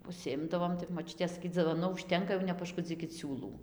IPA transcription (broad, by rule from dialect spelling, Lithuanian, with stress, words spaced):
ʊʃʲsʲɪˈɪmdɐʋoːm tɐɪ moːˈt͡ʃʲʊtʲeː sɐˈkʲiːt d͡zʲɪʋoːˈnʊ ʊʃʲˈtʲɛŋkɐ jɛʊ nʲɛpɐʃˈkʊd͡zʲiːkʲɪt ˈsʲuːlˠuː